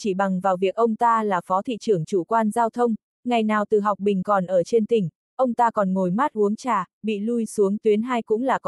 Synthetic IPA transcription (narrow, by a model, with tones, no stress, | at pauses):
t͡ɕi˧˩ɓa˨˩ŋvaː˨˩wvi˨˩ək̚ʔə˧wŋ͡mt̪aː˧laː˨˩fɔ˨˦t̪ʰḭ˧˨t͡ɕɨ˨˧˩əŋt͡ɕu˧˩kwaː˧nzaː˧wt̪ʰə˧wŋ͡m | ŋa˨˩jnaː˨˩wt̪ɨ˨˩ɦa˨˩wk͡p̚ɓï˨˩ŋ̟kɔ˨˩nʔəː˧˩t͡ɕe˧nt̪ï˨˩ŋ̟ | ʔə˧wŋ͡mt̪aː˧kɔ˨˩nŋo˨˩jma˦˥t̚ʔu˨˦əŋt͡ɕaː˨˩ɓḭ˧˨lu˧jsu˨˦əŋt̪wi˨˦ənɦaː˧jkʊ̰˧˥ŋ͡mlaː˨˩k